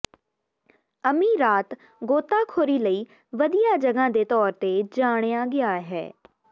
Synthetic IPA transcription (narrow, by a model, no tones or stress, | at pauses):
əmiːɾaːt̪ | ɡoːt̪aːkʰoːɾiːləiː | ʋəd̪ijaːd͡ʒəɡãːd̪eːt̪ɔːɾt̪ed͡ʒaːɽ̃jaːɡɪjaːɦɛ̰ː